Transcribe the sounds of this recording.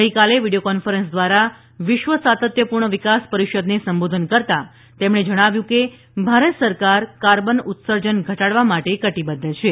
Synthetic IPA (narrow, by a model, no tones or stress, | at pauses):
ɡəɦikaleʋiɽiokɔnfəɾənsd̪ʋaɾa | ʋɪʃʋəsat̪ət̪jəpuɾɳəʋikaspəɾiʃəd̪nesəmbod̪ʱənkəɾt̪a | t̪emɳ̃ed͡ʒəɽ̃aʋjũke | bʱaɾət̪səɾkaɾkaɾbənut̪səɾd͡ʒənɡʱəʈaɽʋamaʈekəʈibəd̪ʱət͡ʃʰe